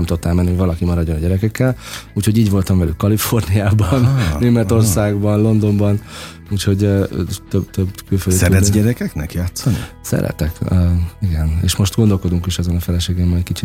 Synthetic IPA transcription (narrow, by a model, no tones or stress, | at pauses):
ɛmt̪uot̪ːɛlmɛnːiɦoɟvɒlɒkimɒɾɒɟːonɒɟɛɾɛkɛkːɛluːcho̞ɟiːɟvo̞lt̪ɒɱvɛlykːɒlifo̞rnijaːbɒneːmɛt̪o̞rsaːɡbɒnlo̞nd̪o̞mbɒn | uːcho̞ɟt̪øbt̪øbkylfødd̪sɛɾɛɟɛɾɛkɛknɛkjaːt̪sɒnḭ | sɛ̰ɾɛ̰t̪ɛkøiɡɛnḛːʃmo̞ʃt̪ɡo̞nd̪o̞lko̞d̪uŋkiʃɛzonɒfɛlɛʃeːɡɛmːɒjt̪kit͡ʃit̪